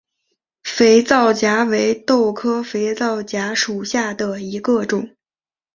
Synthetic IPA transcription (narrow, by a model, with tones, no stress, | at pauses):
fe˧˥ɪt͡sɑ˥˩ʊt͡ɕja˧˥we˧˥ɪt̪o˥˩ʊkʰɤ˥fe˧˥ɪt͡sɑ˥˩ʊt͡ɕja˧˥ʂu˨˩ɕja˥˩d̪ə˩i˧˥ɡə˧ʈ͡ʂʊ˨˩˦ŋ